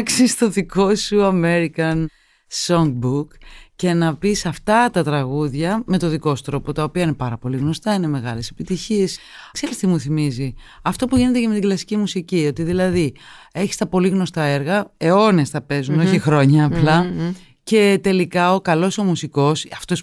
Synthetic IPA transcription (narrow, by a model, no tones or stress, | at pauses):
ksist̪o̞ðiko̞suɐme̞ɾikɐn | soŋɡ̚bukce̞nɐpisɐft̪ɐt̪ɐt̪ɾɐɣuðʝɐme̞t̪o̞ðiko̞st̪ɾo̞pot̪ɐopiɐine̞pɐɾɐpo̞liɣno̞st̪ɐine̞me̞ɣɐle̞se̞pit̪içies | kse̞ɾist̪imuθimizi | ɐft̪o̞puʝine̞t̪eceme̞t̪iɡlɐsi̥cimusicio̞t̪iðilɐði | e̞çi̥st̪ɐpo̞liɣno̞st̪ɐe̞ɾɣɐe̞o̞ne̞st̪ɐpe̞zuno̞çixɾo̞ɲɐːplɐ | ce̞t̪e̞likɐo̞kɐlo̞so̞musiko̞sɐft̪o̞s